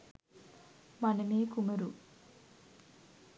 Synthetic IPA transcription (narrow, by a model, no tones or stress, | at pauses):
mɐnɐmeːkumɐɾu